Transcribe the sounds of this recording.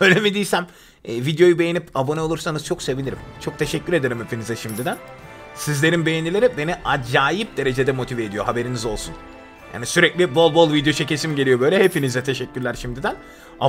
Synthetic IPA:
ølʲemid̪ijisæm | ɛːvid̪jo̞jubejinipabonɛolˠuɾsanɯz̥t͡ʃʰo̞kse̞vilʲiɾimt͡ʃʰo̞k̚t̪ʰe̞ʃɛcːyɾed̪e̞ɾimhepʰinizɛʃimd̪id̪æn | sizlʲe̞ɾimbe̞jenilʲeɾibe̞niʔad͡ʒaːjip̚d̪e̞ɾe̞d͡ʒed̪ɛmo̞t̪ʰiveːd̪ijo̞ɦabe̞ɾinizo̞lˠsun | ja̰ːnisyɾɛclʲibolˠbo̞lˠvid̪jo̞t͡ʃʰece̞simɟelʲijo̞bøjlʲɛɦepʰinizɛt̪ʰe̞ʃɛcːyɾlʲæɾʃimd̪id̪æn | a

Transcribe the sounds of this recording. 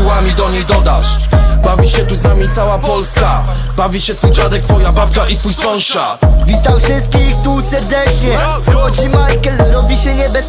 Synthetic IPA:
uwamʲid̪ɔɲejd̪ɔd̪a̰ʂbavʲiɕɛt̪uznamʲit̪sawapɔlska | bavʲiɕɛt̪fujd͡ʑad̪ɛkt̪fɔjabap̚kaʔit̪fujsɔ̃w̃ɕat̪vʲit̪awfʂɪst̪̚kʲixt̪usɛɾd̪ɛt͡ʂɲɛvɔt͡ɕimajkɛlɾɔbʲiɕɛɲɛbɛ

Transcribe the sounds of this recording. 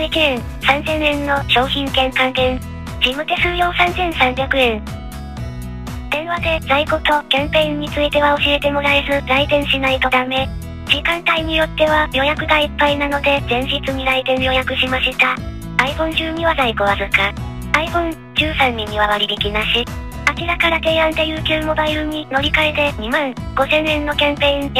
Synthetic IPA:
ekʲiẽ | sãnzẽ̞nẽ̞nːo̞ɕo̞ːçĩŋkẽ̞ŋkãnt̪ẽ̞n | d͡ʑimɯ̟t̪e̞sɨɾɯ̟jo̞ːsãnzẽ̞ɰ̃sãmbʲjakɯ̟ẽ̞n | d̪̥ẽ̞ɰ̃βad̪e̞zaiko̞t̪o̞kẽ̞mpe̞ĩɲ̟ːit͡sɨit̪e̞βao̞ɕie̞t̪e̞mo̞ɾaezɨɾait̪ẽ̞ɰ̃ɕinait̪o̞t̪ame̞ | d͡ʑikãnt̪aiɲ̟ijo̞t̪ːe̞β̞ajo̞jakɯ̟ɡ̪aipːainano̞d̪e̞zẽ̞ɲ̃ʑit͡sɨɲ̟iɾait̪ẽ̞ɰ̃jo̞jakɯ̟ɕimaɕit̪a | aiɸõ̞nʑɨːɲ̟iβazaiko̞βasɨka | aiɸõ̞n | d͡ʑɨːsãɲːĩɲiβaβaɾʲibʲikʲinaɕi | akʲiɾakaɾat̪e̞ːãnt̪e̞jɯ̟ːkʲɨːmo̞baiɾɯ̟ɲ̟ino̞ɾʲikaet̪e̞ɲ̟imãŋ | ɡ̥o̞sẽ̞nẽ̞nːo̞kʲãmpe̞ĩŋ

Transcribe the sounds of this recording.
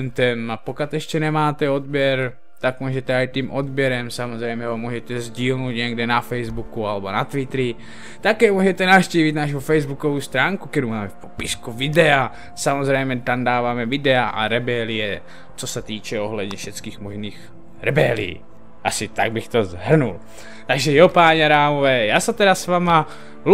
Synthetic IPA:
nt̪ɛmapokat̪ɛʃcɛnɛmaːt̪ɛod̪̚bjɛɾ | t̪akmuʒɛt̪ɛajt̪iːmʔod̪bjɛɾɛmsamozrɛjmɛɦomuːʒɛt̪ɛzɟiːlnoːt̪ɲɛɡdɛnafɛjzbukualɛbonat̪vɪt̪ɾɪ | t̪akɛːmuʒɛt̪ɛnafʃciːvit̪naʃ̬ufɛjzbukovuːst̪ɾaːŋkukɛɾumaːmɛfpopɪskuvɪdɛa | samozrɛjmɛt̪amdaːvaːmɛvɪdɛaʔa̰ɾɛbɛlijɛ | t͡sosɛt̪iːt͡ʃɛoɦlɛd̪ɲɛfʃɛt͡skiːxmoʒniːx | ɾɛbɛlḭː | ʔasɪt̪aɡ̚bɪxt̪ozɦr̩nul | t̪aɡʒɛjopaːɲɛaɾaːmovɛːjaːsɛt̪ɛdasvaːma | l

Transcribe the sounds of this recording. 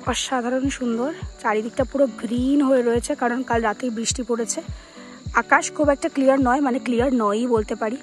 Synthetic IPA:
ɔʃad̪ʱaɾonʃund̪oɾt͡ɕaɾid̪ʱik̚ʈapuɾoɡɾinɦoeɾoet͡ɕʰekaɾonkalɾat̪ejbɾiʃʈipoɽet͡ɕʰe | akaʃkʰubɛk̚ʈaklijaɾnɔemaneklijaɾnɔjbolt̪epaɾi

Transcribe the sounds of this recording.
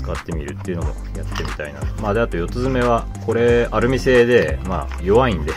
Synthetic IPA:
ɨ̥kat̪ːe̞mʲiɾɯ̟t̪ːe̞iɯ̟no̞mo̰ | jat̪ːe̞mʲit̪a̰ina̰mad̪eat̪o̞jo̞t̪ɨzɨme̞βa | ko̞ɾe̞aɾɯ̟mʲise̞ːd̪e̞ma̰ː | jo̞βaĩnd̪e

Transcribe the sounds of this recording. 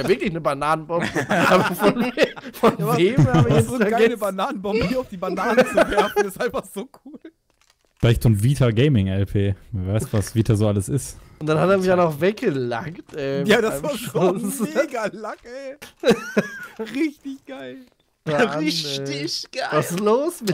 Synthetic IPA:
javvɪɐklɪçnəbanaːnənbɔməʔaːbɐfɔnfɔnveːmabɪɛaaɛnəbanaːnən̩bɔmmbəiaʊfd̥iːbanaːnvɛɐfnstʔaɪnfaχz̥oːkʰuːl | flaɪçtonviːtʰɐɡɛɪmɪŋɛlpʰeːiːvaɪstvasv̥iːtazoːaləsɪstʊntd̥anhateːɐmɪçanɔχvɛk̚ɡ̥əla̰ŋktʔɛːjaːdaavaʃosɡalakɛ | ʁɪçtɪçɡ̥aɪl | ʁɪɪɡ̥avasɪsloːsmɪ

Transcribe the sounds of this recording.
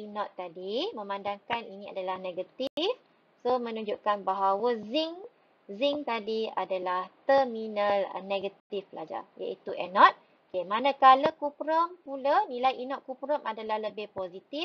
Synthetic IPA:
inɔ̃t̪ːadimə̃mãndaŋkaninĩa̰dalahneɡat̪if | somə̃nuɲd͡ʒuʔkanbaɦawaziŋ | ziŋt̪adia̰dalaht̪əminəl̰neɡat̪ifbla̰d͡ʒa̰ja̰ʔit̪uʔɛnɔt̪̚ | kemanəkaləkupɾəmpulanĩlajinɔʔ̪̚kupɾəmadalahləbɪhpozit̪if

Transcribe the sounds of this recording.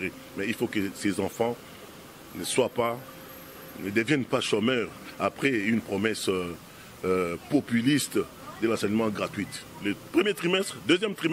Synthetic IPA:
ʁe | mɛilfokəsezɑ̃fɑ̃ | nəswapa | nəd̪əvjɛnpaʃɔmœʁapχɛynpχɔmɛsø | pɔpylist̪ | d̪əlɑ̃sɛɲmɑ̃ɡʁat̪ɥit̪ | ləpχəmjet̪χimɛst̪χd̪øzjɛmt̪χim

